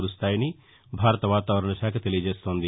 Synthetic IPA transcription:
ɾust̪aːjɐni | bʱaːɾɐt̪ɐʋaːt̪aːʋɐɾɐɳɐʃaːkʰɐt̪e̞lijɐd͡ʒeːst̪o̞ːnd̪i

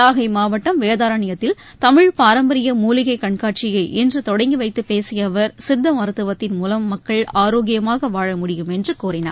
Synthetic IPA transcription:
aːɣɐɪmaːʋɐʈːɐmʋeːðaːɾɐɳɪjɐt̪ːɪl | t̪ɐmɪɻpaːɾɐmbɐɾɪjɐmuːlɪɣɐɪkɐɳkaːʈ̚t͡ʃɪjɐɪʔɪndrɯt̪ɔɽɐɪŋɡɯʋɐɪt̪ːɯpeːsɪjɐʋɐɾsɪd̪ːɐmɐɾɯt̪ːɯʋɐt̪ːɪnmuːlɐmːɐkːɐɭaːɾoːɣɪjɐmaːɣɐʋaːɻɐmʊɽɪjɯmɛndrɯkuːɾɪna̰ːɾ

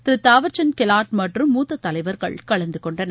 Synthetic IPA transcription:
t̪ɪɾɯt̪aːʋɐɾt͡ʃɐnkɛlaːʈmɐʈrɯmːuːt̪ːɐt̪ːɐlɐɪʋɐɾɣɐ̰ɭkɐɭɐnd̪ɯkɔɳɖɐnɐ

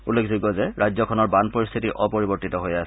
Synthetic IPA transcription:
ulːekʰzuɡɔzɛɹʔajzɔkʰɔnɔɹbanpɔɹist̪ʰitiʔɔpoɹibɔɹtitɔɦojasɛ

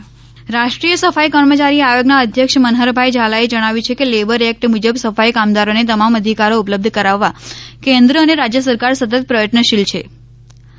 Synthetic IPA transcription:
ɾaʃʈɾijəsəfajkəɾmət͡ʃaɾiajoɡnaəd̪ʱjəkʃmənɦəɾbʱajd͡ʒalaed͡ʒəɽ̃aʋjut͡ʃʰekelebəɾɛk̚ʈmud͡ʒəbsəfajkamd̪aɾonet̪əmaməd̪ʱikaɾoupləb̚d̪ʱkəɾaʋːakẽnd̪ɾəːneɾad͡ʒjəs̬əɾkaɾsət̪ət̪̚pɾəjəʈnəʃilt͡ʃʰe

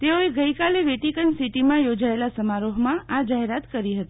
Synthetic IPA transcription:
t̪eoeɡəikaleʋeʈikənsiʈimãjod͡ʒaelasəmaɾoɦmãʔad͡ʒaɦeɾat̪kəɾiɦət̪i̥

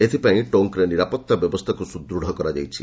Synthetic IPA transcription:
et̪ʰipaĩʈoŋkɾeniɾapɔt̪ːabjɔbɔst̪ʰakusud̪ɾuɽʱɔkɔɾad͡ʒajt͡ʃʰi

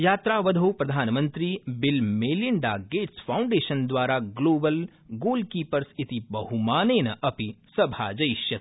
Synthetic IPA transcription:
jaːt̪ɾaːʋɐd̪ʱoːpɾɐd̪ʱaːnmɐ̃nt̪ɾiːbɪlmeːlɪɳɖaːɡeːʈsfʰaːʊ̃ɳɖeːʃɐnd̪ʋaːɾaɡloːbɐl | ɡoːlkiːpɐɾsɪt̪ibɐɦumaːneːnɐʔɐpisɐbʱaːd͡ʒɐjʃjɐ

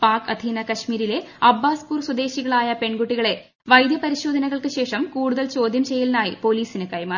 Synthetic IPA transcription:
paːkɐd̪ʱinɐkɐɕmiːɾile̞ɐbːaːskuːrswɐd̪e̞ːɕiɣɐɭaːjɐpe̞ɳɡuʈːiɣɐɭe̞ | ʋɐjd̪jɐpɐɾiɕo̞ːd̪ʱɐnɐɣɐɭkɨɕe̞ːʂɐmkuːɽuðɐlt͡ɕo̞ːd̪ʱjɐmt͡ɕe̞jːɐlnaːjḭpo̞liːsinɨkɐjmaː

